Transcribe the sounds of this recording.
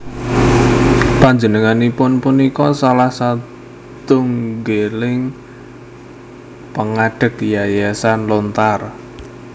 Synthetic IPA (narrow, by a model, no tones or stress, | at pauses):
paɲd͡ʒənəŋanipʊnpunikɔsalahsa | t̪ʊŋɡelɪŋ | pəŋaɖ̥ə̤k̚dijajasanlɔnt̪ar